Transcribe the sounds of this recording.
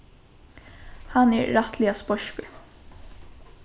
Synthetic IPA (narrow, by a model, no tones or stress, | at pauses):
hanɛɹːat̪ʰlɪaspɔʃkə